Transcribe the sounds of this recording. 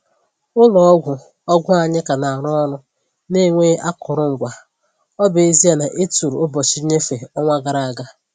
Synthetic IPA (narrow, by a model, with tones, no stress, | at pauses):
ʊ˦lɔ˨ɔ˦ɡʷʊ˨ | ɔ˦ɡʷʊ˦a˨ɲɪ˦ka˨na˨a˨ɾɔ˦ɔ˦ɾʊ˦ | ne˦˨ŋʷe˦a˦kʊ˨ɾʊ˦ŋ̩˨ɡʷa˨ | ɔ˦be˨e˦zi˦a˨na˨ʔe˦tu˨ɾu˨ʊ˦bɔ˨t͡ʃi˦ɲe˦fe˨ɔ˦ŋʷa˦ɡa˨ɾa˨a˨ɡa˦